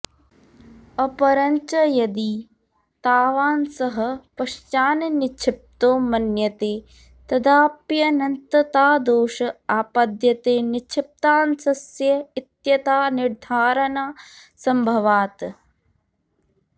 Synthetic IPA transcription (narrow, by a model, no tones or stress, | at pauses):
ɐpɐɾɐɲt͡ʃɐjɐd̪i | t̪aːʋaːnsɐɦɐpɐʃt͡ʃaːnnit͡ʃʰip̚t̪oːmɐnjɐt̪eː | t̪ɐd̪aːpjɐnɐnt̪ɐt̪aːd̪oːʃɐaːpad̪jɐt̪eːnit͡ʃʰip̚t̪aːnsɐsjɐit̪jɐt̪aːniɾd̪ʱaːɾɐnaː | sɐmbʱɐʋaːt̪